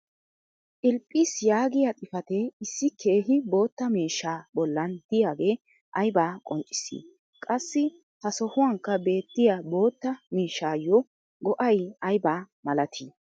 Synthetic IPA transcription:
ʔɪlpʼːiːsjaːɡɪjat̪ʼɪfɐt̪ɛɪsːɪkʰe̞ːɦɪbo̞ːt̪ːɐmiːʃːaːbɔlːɐnd̪̥ɪjaːɡe̞ː | ʔɐjbaːkʼɔnt͡ʃʼːɪ̥sḭː | kʼɐsːɪ | hɐsɔhʊwɐŋkːɐbe̞ːt̪ːɪjabo̞ːt̪ːɐmiːʃːaːjɔ | ɡɔʔɐjɐjbaː | mɐlɐt̪ʰiː

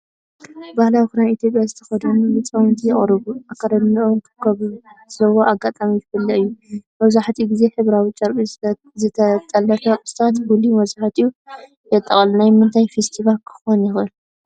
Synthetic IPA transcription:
bahlawikɨɾanit̪ʰjo̞pʼjazɨt̪ʰɐ̥xɐd̪unnɨt͡sʼawnt̪ʰijɛχʼɾɨβuakʰɐɾɐnɐʔomkʰkʰɐβzɐwoʔaɡat̪ʼamijɨfɨlːɐɨjːumɐβzaħt̪ʰiuɡize̞ħɨβɾawit͡ʃʼɐɾpʼi | zɨt̪ʰɐt̪ʼɐlːɐfɐʔʼɨst̪ʼat̪bulimɐzaħt̪ʰiju | jɛt̪ʼːɐχʼɐlnajmɨnt̪ʰajfest̪ʰivalkʰɨ̥xonjɪxɨl

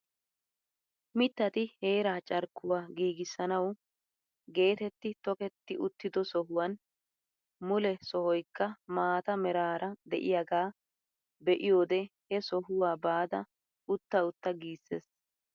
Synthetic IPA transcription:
mɪt̪ːɐt̪ɪhe̞ːɾaːt͡ʃʼɐɾkːʊwaːɡiːɡɪsːɐnɐw | ɡe̞ːt̪ɛt̪ːɪt̪ɔkɛt̪ːɪʔʊt̪ːɪd̪ɔsɔɦʊwɐn | mʊlɛsɔhɔjkːɐmaːt̪ɐmɛɾaːɾɐd̪ɛ̰ʔɪjɐɡaː | bɛʔɪjo̞ːd̪ɛhɛsɔɦʊwaːbaːd̪ɐ | ʊt̪ːɐʊt̪ːɐɡiːsːḛːs

